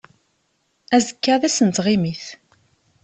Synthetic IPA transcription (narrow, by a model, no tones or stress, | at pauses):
æzəkːaðæsənt̪ʁɪmiθ